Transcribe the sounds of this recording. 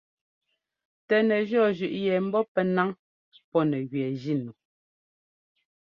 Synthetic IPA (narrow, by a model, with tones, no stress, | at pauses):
tɛ˨nɛ˨ʒɔ˦˨ʒʉ˨ʔjɛ˨m̩˦bɔ˦pɛ˦na˦ŋ | pɔ˦nɛ˨ɣɥɛ˨d͡ʒi˦˨nu˨